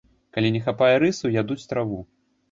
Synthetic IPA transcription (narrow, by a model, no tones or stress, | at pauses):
kalʲinʲɛxapajɛɾɨsujad̪ut͡sʲt̪ɾavu